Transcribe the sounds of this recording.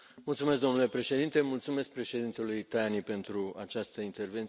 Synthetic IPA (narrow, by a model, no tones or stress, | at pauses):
mult̪sumesk̚d̪o̞nule̞pɾe̞ʃed̪int̪e̞mult̪sume̞sk̚pɾe̞ʃe̞d̪int̪elujt̪ajanipe̞nt̪ɾua̰t͡ʃast̪əint̪erve̞nt̪